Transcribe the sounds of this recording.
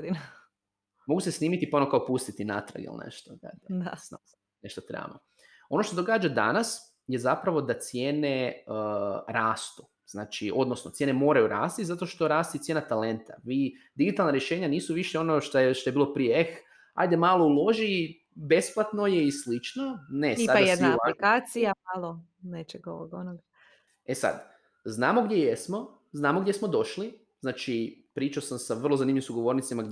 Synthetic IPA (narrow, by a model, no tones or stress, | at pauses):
d̪in | moɡuse̞sniːmit̪iponokaopust̪it̪ina̰t̪ɾa̰ɡḭlnḛʃt̪od̪a̰d̪aa | neʃt̪ot̪ɾḛba̰mo | o̞no̞ʃt̪od̪o̞ɡaːd͡ʒad̪a̰nas | je̞zapɾaʋo̞d̪at̪sjeːne̞ | ɾaːst̪u | z̥naːt͡ʃiʔo̞d̪no̞snot̪sjeːnemo̞ːɾajuɾa̰ːst̪izat̪oʃt̪o̞ɾaːst̪it̪sjeːnat̪ale̞nt̪a̰ʋi | d̪iɡit̪alˠnaɾjeʃe̞ːɲaniːsuʋiʃeo̞noʃt̪ʃt̪o̞jeiːlo̞pɾijeex | a̰jd̪e̞maːlˠo̞ulˠo̞ʒi | be̞splˠat̪no̞je̞islit͡ʃnone̞iadaed̪alikaːsiamalˠo | net͡ʃeɡo̰ʋoɡonoɡa | e̞sa̰d̪ | znaːmo̞ɡd̪jejesmo̞ | znaːmoɡdʲjesmo̞d̪o̞ʃli | znaːt͡ʃipɾiːt͡ʃaosamsaʋr̩lˠo̞zanimʎisuɡo̞ʋo̞ɾnit̪simaɡ